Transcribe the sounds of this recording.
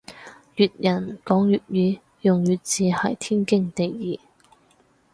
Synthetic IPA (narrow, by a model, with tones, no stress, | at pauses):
jyː˨t̚jɐ˨˩nkɔː˨˥ŋjyː˨t̚jyː˨˥ | jʊ˨ŋjyː˨˩t̚t͡siː˨hɐ˨˩jt̪ʰiː˥nkɪ˥ŋt̪e˨jːiː˨